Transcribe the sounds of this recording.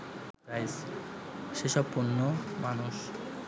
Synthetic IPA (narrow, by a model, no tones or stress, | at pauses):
ɾajs | ʃeʃɔbponːomanuʃ